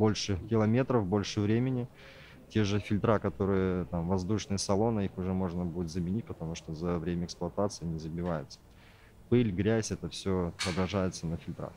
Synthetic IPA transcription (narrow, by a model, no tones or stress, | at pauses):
bo̞lʲʂɨkʲɪlˠɐmʲe̞t̪ɾəfbo̞lʲʂɨvɾʲemʲɪnʲɪ | tʲe̞ʐɨfʲɪlʲt̪ɾakɐt̪o̞ɾɨjət̪amvɐzd̪uʂnɨjəsɐlˠo̞nɨixʊʐɛmo̞ʐnəbudʲɪt̪zəmʲɪnʲitʲpət̪ɐmuʂt̪ozɐvɾʲemʲəɛksplˠɐt̪at̪sɨjɪnʲɪzəbʲɪvajɪt̪sə̥ | pɨlʲɡɾʲæsʲɛt̪əfsʲoɐbɾɐʐajɪt̪sənəfʲɪlʲt̪ɾa̰x